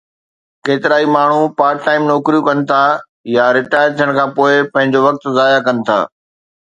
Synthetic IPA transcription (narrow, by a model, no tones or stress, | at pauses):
keːt̪ɪɾaːimaːɳ̤upaːɾkʈaːɪmnoːkɾijũkɐnɪ̆t̪ʰa | jaɾɪʈaːjəɾt̪ʰijəɽ̃kʰãːpoːɪpɐ̃ɦɪ̃ɲd͡ʑoʋɐk̚t̪zaːjakɐnɪ̆t̪ʰa̰ː